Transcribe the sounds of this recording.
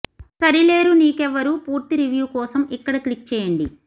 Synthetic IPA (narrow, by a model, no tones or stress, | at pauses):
sɐɾileːɾuniːkɛʋːɐɾupuːɾt̪iɾiʋjuːkɔːsɐmikːɐɽɐklik̚t͡ʃɛːjɐɳɖi